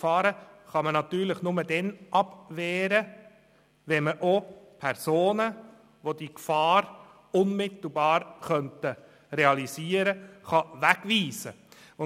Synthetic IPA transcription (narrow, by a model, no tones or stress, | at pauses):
fɑːɾəχɑmənɑt̪yːɾləχnʊməd̥ɛnʔɑbʋɛːɾə | ʋɛnməʔopʰɛɾsoːnə | ʋod̥ikfɑːɾ | ʊnmɪt̪l̩bɑːɾχœntə | reɑlisiːəɾəχɑʋæɡ̥ʋiːsə | ʊ